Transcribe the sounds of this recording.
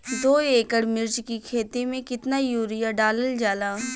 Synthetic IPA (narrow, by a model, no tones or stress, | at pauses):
d̪oːeːkəɽmɪɾt͡ʃkikʰeːt̪imẽkɪt̪najuːɾijaɖaːləld͡ʒaːlaː